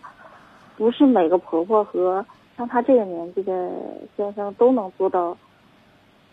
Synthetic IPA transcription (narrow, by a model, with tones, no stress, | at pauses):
pu˧˥ʂɻ̩˥˩me˨˩ɪɡə˧˦pʰɤ˧˥pʰwɔ˥˩xɤ˧˥ | ɻɑ˥˩ŋt̪ʰa˥ʈ͡ʂɤ˥˩ɡə˩njɛ˧˥nt͡ɕi˥˩d̪ə˩ɕjɛ˥nʂɤ˥ŋt̪o˥ʊnɤ˧˥ŋt͡swɔ˥˧t̪ɑ˥˩ʊ